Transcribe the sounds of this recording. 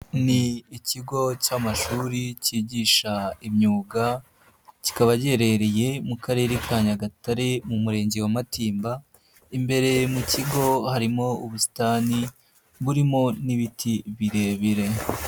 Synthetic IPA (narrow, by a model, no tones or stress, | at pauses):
niːciɡo̞caːmaʃuːɾiciːɟiːʃaimɲuːɡa | ci̥kaβaɟe̞ɾe̞ɾeje̞mukʰaɾe̞ːɾikʰaːɲaɡataɾe̞mumuɾe̞ːɲɟe̞wamatiːmba | imbe̞ɾe̞muciɡo̞haɾimo̞uβusi̥taːni | βuɾimo̞niβitʰiβiɾe̞βiɾe̞